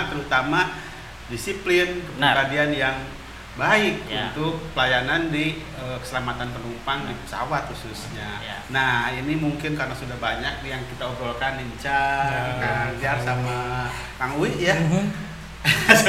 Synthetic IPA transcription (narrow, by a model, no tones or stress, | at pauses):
t̪əɾut̪ama | disiplɪnkəpibadianjaŋ | baɪk̚unt̪uk̚pəlajanandi | əkə̥səlamat̪anpənumpaŋdipə̥sa̰wat̪̚hususɲanahinimuŋkɪnkarnasudahbaɲak̚jaŋkit̪auɾolkaniɲt͡ʃaaad͡ʒarsama | kaŋwiʔja